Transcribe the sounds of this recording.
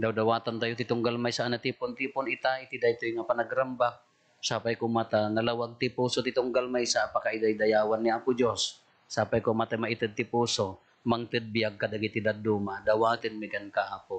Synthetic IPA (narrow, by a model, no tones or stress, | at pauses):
d̪awd̪awaːt̪ant̪ajot̪ɪt̪ʊŋɡalmajsaʔanat̪ipʊnt̪ipʊnɪt̪ait̪id̪ajt̪ojŋapanaɡɾambak̚ | saːpajkʊmat̪anɐlawaɡ̚t̪ɪpusot̪ɪt̪ʊŋɡalmajsaʔapakaɪd̪ajd̪ajaːwanːɪʔakʊd͡ʒosː | aːpajkʊmat̪ajmaɪt̪ɨd̪̚t̪ɪpuːso | maŋt̪ɨd̪̚bɪjaɡ̚kad̪aɡit̪ɪd̪ad̪umad̪awaːt̪ɪnmɪɡankaʔakʊ